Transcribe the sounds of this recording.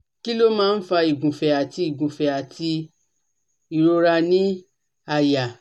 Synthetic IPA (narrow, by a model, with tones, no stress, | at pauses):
ki˦lo˦mãː˦n̩˦fa˧i˨ɡũ˨fɛ˨a˨ti˧i˨ɡũ˨fɛ˨a˨tʰi˧ | i˨ɾo˧ɾa˧nĩ˦ | a˦˨ja˨